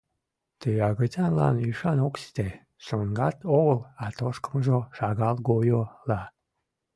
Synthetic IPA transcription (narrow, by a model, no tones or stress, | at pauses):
t̪øɑɣətʲɑlɑ̰nyʃɑnoksi̥t̪e | ʃoŋɡɑt̪oɣəlɑt̪oʃkə̥məʒoʃɑɣɑlɡojolɑ